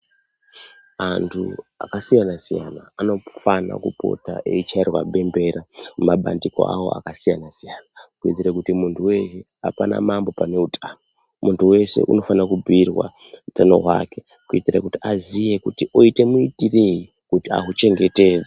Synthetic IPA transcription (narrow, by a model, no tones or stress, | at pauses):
antʰṵa̰kasijanasija̰naano̞fana̰kupo̞̰ta̰ʔḛit͡ʃairwa̰ɓe̞mbe̞ɾaumaɓa̰ndiko̞̰ʔa̰wo̞̰a̰kasijanasijanakuid͡ziɾekutimuntʰuwe̞ʃe | apana̰mambo̞pane̞utʼʰaːno | muntʰuwe̞se̞̰ʔuno̞fanakubʱirwa̰ | utano̞̰ɦwa̰ke̞ | kuitirekutiazije̞kutiʔo̞ite̞muitireji | kutia̰ɦut͡ʃe̞ŋɡe̞te̞ːza